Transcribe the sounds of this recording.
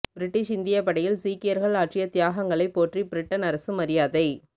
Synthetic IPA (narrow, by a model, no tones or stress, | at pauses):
b̥ɪɾɪʈːɪʃɪnd̪ɪjɐpɐɽɐjɪlsiːkːɪjɐɾɣɐɭaːʈrɪjɐt̪ɪjaːɣɐŋɡɐɭɐɪpːoːʈribɪɾɪʈːɐnɐɾɐsɯmɐɾɪjaːðɐɪ